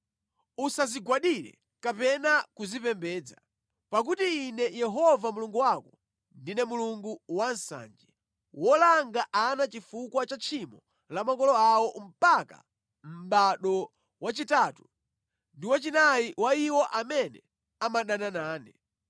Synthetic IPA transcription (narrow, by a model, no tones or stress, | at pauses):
usaziɡwaɗiɾɛ̰ | kapɛnakuzipɛmbɛːd͡za | pak̬utiːnɛjɛɦɔvamuluŋɡuwakɔ | ndinɛmuluŋɡuwansa̰ːnd͡ʒɛ | wɔlaŋɡaʔanat͡ʃifukwat͡ʃat͡ʃʰimɔ | lamakɔlɔawɔm̩paka̰ | m̩ɓaɗɔ | wat͡ʃitaːtu | ndiwat͡ʃinajiwaiwɔʔamɛnɛ | amaɗananaːnɛ